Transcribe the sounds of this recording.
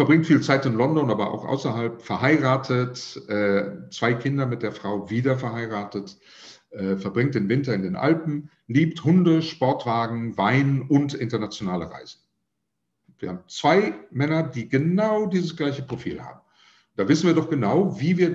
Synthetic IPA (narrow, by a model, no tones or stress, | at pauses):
fɛɐbʁɪŋtfiːlt͡saɪtɪnlɔndɔnʔaːbɐʔa̰ʊxʔa̰ʊsɐɦalpfɛɐhaɪʁaːtʰətʔɛːt͡sv̥aɪkʰɪndɐmɪt̚d̥eːɐfʁ̥aʊviːdɐfɛɐhaɪʁaːtət | ʔɛːfɛɐbʁɪŋtd̥eːnvɪntɐɪndeːnʔa̰lpn̩ | liːpthʊndəʃpɔɐtv̥aːɡŋ̩vaɪnʊntʔɪntɐnat͡sjonaːləʁa̰ɪzn̩ | viːɐhaːbm̩t͡sv̥aɪmɛnɐdiːɡənaʊdiːzəsɡ̥laɪçəpʁ̥ofḭːlha̰ːb̚m̩ | d̥aːvɪsn̩viːɐdɔχɡ̥ənaʊviːviːɐ